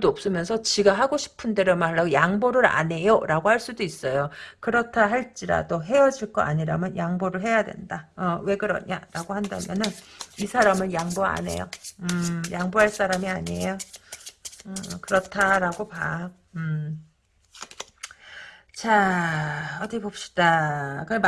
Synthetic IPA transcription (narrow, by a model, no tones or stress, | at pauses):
dʌp̚s͈ɯmjʌnsʰʌt͡ɕiɡaɦaɡoɕʰi̥pʰɯndeɾomaɭːajaŋboɾɯɾa̰ne̞joɾaɡohaɭs͈udois͈ʌjokɯɾʌtʰaɦaɭt͡ɕ͈iɾa̰doɦe̞ʌd͡ʑiɭk͈ʌ̰ʔa̰ɲiɾa̰mjʌnjaŋboɾɯɭɦe̞jadwe̞̰ndaʌwe̞ɡɯɾʌ̰ɲa̰ɾaɡohanda̰mjʌnɯnisʰaɾamɯnjaŋboa̰ne̞̰jo̰ɯjaŋboɦaɭs͈aɾamiaɲiejo | ʌkɯɾʌtʰaɾaɡopa̰ | ɯ | t͡ɕa | ʌtʰʌkʰebop̚ɕ͈i̥d̥akɯ